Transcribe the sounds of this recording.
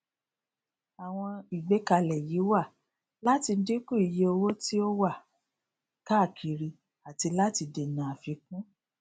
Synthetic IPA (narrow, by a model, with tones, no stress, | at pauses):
a˨w̃ɔ̃˧i˨ɡ͡be˨˦ka˧lɛ˨ji˨˦wa˦˨ | la˦ti˧˦di˦kũ˦˨i˨je˧o˧wo˦ti˦o˦wa˦˨ | ka˦˨kʰi˨ɾi˧ | a˨ti˧la˦ti˧de˨nã˨a˨fi˧k̚ũ˦